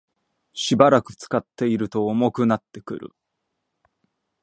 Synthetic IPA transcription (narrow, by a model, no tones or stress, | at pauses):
ɕibaɾakɯ̟̥t͡sɨ̥kat̪ːe̞iɾɯ̟t̪o̞ːmo̞kɯ̟nat̪ːe̞kɯ̟̰ɾɯ̰